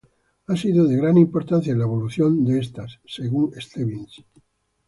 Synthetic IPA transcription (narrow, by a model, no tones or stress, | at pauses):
asiðoðeɣɾanĩmpo̞ɾt̪ãn̟θjaelaeβo̞luθjo̞nd̪eest̪asːeɣuŋest̪eβins